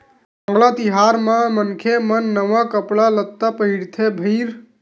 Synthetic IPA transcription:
əŋɡlat̪iɦaɾmãmənkʰemənːəʋakəpɭalət̪ːapəɦiɽt̪ʰebʱəɾ

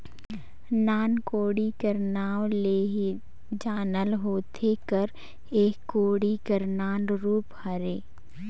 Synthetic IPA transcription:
naːnkoːɽikəɾnaːwleːɦi | d͡ʒaːnəlɦoːt̪ʰekəɾ | eːkːoːɽikəɾnaːnɾuːphəɾeː

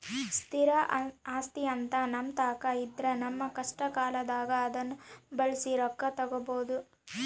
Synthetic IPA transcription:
st̪ʰiɾɐaːst̪iɐnt̪ɐnɐmt̪aːkɐid̪ɾɐnɐmːɐkɐʂʈɐkaːlɐd̪aːɡɐːd̪ɐnːubɐɭsiɾɔkːɐt̪ɐɡoboːd̪u

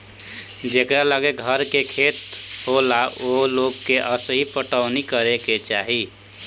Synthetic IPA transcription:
d͡ʒekɾaləɡeɡʱəɾkekʰeːt̪̚ɦolaoloɡkeʔəsəɦipəʈəʊnikəɾeket͡ʃaːɦi

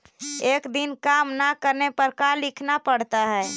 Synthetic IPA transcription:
ekd̪inkamnakəɾnepəɾkalɪkʰnapəɽt̪aɦɛː

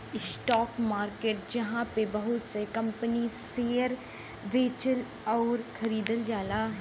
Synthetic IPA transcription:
ɪsʈɔːkmaːɾkeːʈ̚d͡ʒɐɦãːpebəɦʊt̪səkəmpəniseːəɾ | ʋeːt͡ʃəl | ɔːɾkʰəɾiːd̪əld͡ʒaːlaː

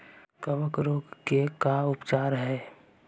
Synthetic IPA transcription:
kəʋəkɾoːɡkekaʊpt͡ʃaːɾɦɛː

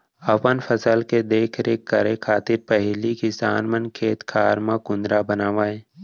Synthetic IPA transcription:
ɐpənfʰəsəlked̪eːkʰɾeːkːəɾekʰaːt̪ɪɾpɛɦlikisa̰ːnmənkʰeːt̪kʰaːɾmãkʊ̃nd̪ɾabənaːʋaːe

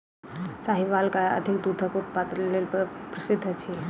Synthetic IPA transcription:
saːɦiʋaːlkaə̰d̪ʱɪkd̪ut̪ʰəkopat̪ɾlelpəpɾəsɪd̪ʱːət͡ʃʰi

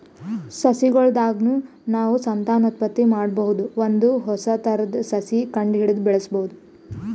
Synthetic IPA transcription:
sɐsiɡɔɭd̪aːɡnuː | naːʋusɐnt̪aːnot̪̚pɐt̪ːimaːɽbɐɦud̪uʋond̪uɦɔsɐt̪ɐɾɐd̪ɐsɐsikɐɳɖɦiɽid̪bɛɭɐsboɦud̪u

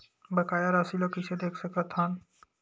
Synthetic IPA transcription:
bəkaːjaɾasilokised̪eːkʰsəkət̪ʰɦaːn

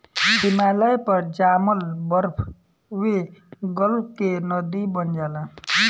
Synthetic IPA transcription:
himaːləjpəɾd͡ʒaːməlbəɾpʰ | weɡəlkenəd̪ibənd͡ʒaːla

